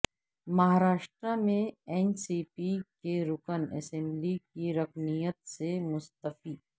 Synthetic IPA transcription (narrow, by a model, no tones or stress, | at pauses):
mɐɦaːɾaːʃʈɾamẽɛːnsiːpikeɾʊkənɛ̰sɛ̃mblikiɾɐkmijət̪semʊst̪əfiː